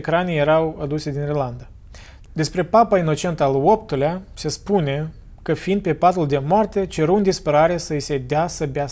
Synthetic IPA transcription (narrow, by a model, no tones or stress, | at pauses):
kɾaneje̞ɾawad̪used̪inirland̪a | d̪e̞spɾe̞papaino̞t͡ʃe̞nt̪əalopt̪ulease̞spune̞ | kəfiind̪̚pe̞pat̪uld̪e̞moart̪e̞t͡ʃe̞ɾuɨnd̪ispəɾaɾesəise̞d̪asəbea